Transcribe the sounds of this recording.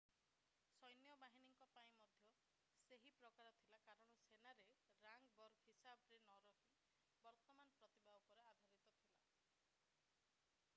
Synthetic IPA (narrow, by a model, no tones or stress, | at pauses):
sɔjnjɔbaɦiniŋkɔpaĩmɔd̪ʱjɔ | seɦipɾɔkaɾɔt̪ʰilakaɾɔɽ̃ɔsenaɾeɾaŋɡbɔɾɡɦisabɔɾenɔɾɔɦi | bɔɾt̪ɔmanɔpɾɔt̪ibʱawɔkɔɾead̪ʱaɾit̪ɔt̪ʰila